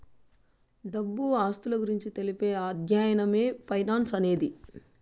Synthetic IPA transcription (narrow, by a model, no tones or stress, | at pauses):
ɖɐbːuaːst̪ulɐɡuɾiɲt͡ʃit̪e̞lipe̞ːaːd̪ʱjaːjɐnɐme̞ːpʰɐjnaːnsɐne̞ːd̪i